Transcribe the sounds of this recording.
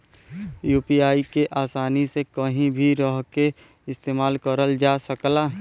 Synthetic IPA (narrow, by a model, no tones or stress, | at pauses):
juːpiːaːikeʔaːsaːnisekəɦĩbʱiɾɔɦke | ɪst̪eːmaːlkəɾəld͡ʒaːsəklaː